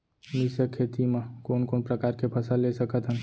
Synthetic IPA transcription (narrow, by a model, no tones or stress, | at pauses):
mɪsəkʰːeːt̪imãkoːnkoːnpɾəkaːɾkepʰəsəlːesəkət̪ɦən